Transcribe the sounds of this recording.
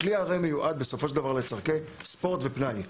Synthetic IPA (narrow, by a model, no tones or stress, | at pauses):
kliaʁejmejuʔad̪̚be̞so̞foʃeld̪avaʁle̞t͡saʁkespo̞ʁt̪ve̞pnaj